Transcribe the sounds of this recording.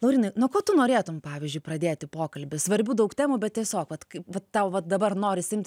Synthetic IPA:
lˠɐʊɾʲiːnɐɪnoːkoːt̪ʊnoːɾʲeːt̪ʊmpɑːʋʲiːzʲd͡ʒʲʊɪprɐd̪ʲeːt̪ʲɪpoːkɐlʲbʲɪsʋɐɾʲbʲuːd̪ɐʊktʲæːmuːbʲɛt̪̚tʲiɛsʲoːkʋɐt̪kɐɪʋɐt̪t̪ɐʊʋɐt̪̚d̪ɐbɐrnoːɾʲɪsʲɪmʲt̪ʲ

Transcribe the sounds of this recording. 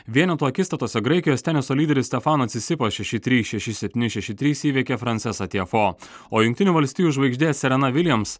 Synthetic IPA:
ʋʲiɛnʲɛt̪uːɐkʲɪst̪ɐt̪oːsʲɛɡɾɐɪkʲɪjoːst̪ʲæːnʲɪsoːlʲiːd̪ʲɛɾʲɪst̪ʲɛfɑːnɐt̪sʲɪsʲɪpɐsʃʲɛʃʲɪt̪ʲɾʲiːsʃʲɛʃʲɪsʲɛpʲt̪ʲiːnʲɪʃʲɛʃʲɪt̪ʲɾʲiːsiːʋʲiɛkʲeːfɾɐnt̪sʲɛsɐt̪ʲefoː | oːjʊŋʲkt̪ʲɪnʲuːʋɐlʲsʲt̪ʲijuːʊʒʋɐɪɡʒʲd̪ʲeːsʲɛɾʲɛnɐʋʲɪlʲɛms

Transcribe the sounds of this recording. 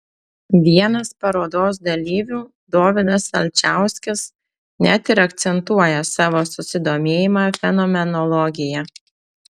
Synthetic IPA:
ʋʲiɛnɐspɐɾoːd̪oːs̬d̪ɐlʲiːʋʲuː | d̪oːʋʲɪd̪ɐsɐ̰lʲt͡ʃʲæˑʊsʲkʲɪs | nʲæt̪ɪɾɐkt̪sʲɛnt̪uɔjɛsɑːʋoːsʊsʲɪd̪oːmʲeːjɪmɑːfʲɛnɔːmʲɛnɔlˠɔɡʲɪjɛ

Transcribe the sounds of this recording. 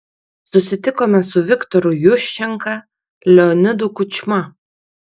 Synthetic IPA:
sʊsʲɪt̪ʲɪkoːmʲɛsʊʋʲɪkt̪ɔɾʊjʊʃʲt͡ʃʲɛŋkɐ | lʲɛɔnʲɪd̪ukʊt͡ʃʲmɐ

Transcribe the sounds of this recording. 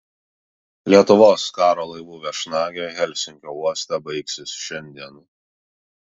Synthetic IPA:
lʲiɛt̪ʊʋoːskɑːɾoːlˠɐɪʋuːʋʲɛʃnɑːɡʲoːɣʲɛlʲsʲɪŋʲkʲoːuɔsʲt̪ʲɛbɐɪksʲɪsʃʲɛnʲd̪ʲiɛn

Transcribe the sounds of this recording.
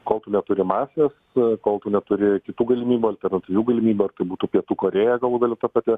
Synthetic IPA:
koːlˠt̪ʊnʲɛt̪ʊɾʲɪmɑːsʲeːs | koːlˠt̪ʊnʲɛt̪ʊɾʲɪkʲɪt̪uːɡɐlʲɪmʲiːbʲuːɐlʲt̪ʲɛrnɐt̪ʲɪʋʲuːɡɐlʲɪmʲiːbʲuːɐrt̪ɐɪbuːt̪upʲiɛt̪uːkoːɾʲeːjɛɡɐlˠʋuɡɐlʲɪt̪ɐpɑt̪ʲɪ

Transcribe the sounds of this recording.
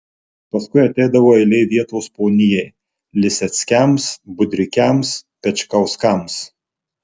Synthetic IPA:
pɐskʊɪɐt̪ʲɛɪd̪ɐʋoːɛɪlʲɛɪʋʲiɛt̪oːspoːnʲɪjɛɪ | lʲɪsʲɛt̪sʲkʲɛmsbʊd̪ʲɾʲɪkʲɛmspʲɛt͡ʃʲkɐʊskɐms

